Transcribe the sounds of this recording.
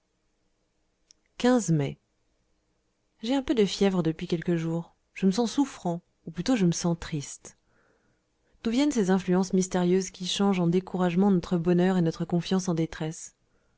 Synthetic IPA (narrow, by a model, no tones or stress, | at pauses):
kʲɛ̃zmɛ | ʒeɛ̃pød̪əfjɛvʁəd̪əpɥikʲɛlkəʒuːʁ | ʒ̥əməsɑ̃sufχɑ̃ | uplyt̪oʒəməsɑ̃t̪χist̪ | d̪̥uvjɛnsezɛ̃flyɑ̃smist̪eʁjøzkʲiʃɑ̃ʒɑ̃d̪ekuʁaʒmɑ̃nɔt̪χəbɔnœʁenɔt̪χəkɔ̃fjɑ̃sɑ̃d̪et̪χɛs